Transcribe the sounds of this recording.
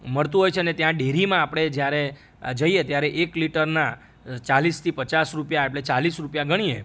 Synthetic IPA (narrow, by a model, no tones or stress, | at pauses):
məɭt̪ũɦojt͡ʃʰeənet̪jãɖeɾimãːpɽ̃ed͡ʒjaɾe | d͡ʒəiet̪jaɾeʔekliʈəɾna | t͡ʃalist̪ʰipət͡ʃasɾupjaeʈlet͡ʃalisɾupjaɡəɽ̃ie